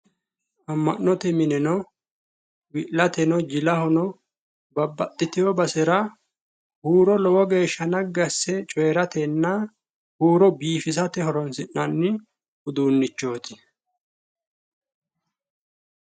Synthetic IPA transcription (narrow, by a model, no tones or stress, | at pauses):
ʔɐmːɐnːɔt̪ɛmɪnɛnɔ | wɪʔlɐt̪ɛnɔd͡ʒɪlɐhɔnɔ | bɐbːɐt̪ʼːɪt̪ɪjɔbɐsɛɾɐ | huːɾɔlɔwɔɡe̞ːʃːɐnɐɡːɐsːɛt͡ʃʼɔjɾɐt̪ɛnːɐ | huːɾɔbiːfɪsɐt̪ɛhɔɾɔnsɪnːɐnːɪ | ʊd̪uːnːɪt͡ʃːo̞ːt̪ɪ